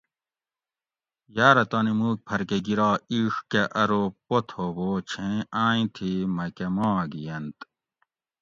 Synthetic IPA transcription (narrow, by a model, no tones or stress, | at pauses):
jaːɾɐt̪aːnimuːk̚pʰɐɾkeɡiɾaːiːʂkeʔɐɾoːpot̪ʰoboːt͡ɕʰẽãːĩt̪ʰimɐkemãːɡijɐnt̪